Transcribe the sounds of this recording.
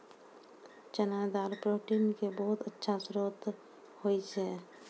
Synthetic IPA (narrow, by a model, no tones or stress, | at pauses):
t͡ʃənajd̪aːɾpɾoːʈiːnkebɔɦʊt̪ətːʃʰasʊɾoːt̪ | hoit͡ʃʰɛː